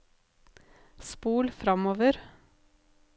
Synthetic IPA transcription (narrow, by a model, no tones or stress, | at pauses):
spuːlfɾɑmoːʋəɾ